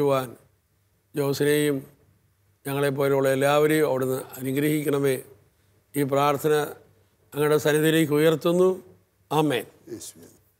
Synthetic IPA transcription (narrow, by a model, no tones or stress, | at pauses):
uʋaːn | d͡ʑo̞ːsɐnejum | ɲɐŋːɐɭe̞p̬ːo̞ːleuɭːɐelːaːʋɐɾejumɐʋiɽenːɨɐnuɡɾɐhikʲːɐɳɐme̞ː | iːp̬raːrt̪ʰɐnɐː | ŋːɐɽesɐnɐðileːk̬ʲːujɐrt̪ːunːu | aːmḛːn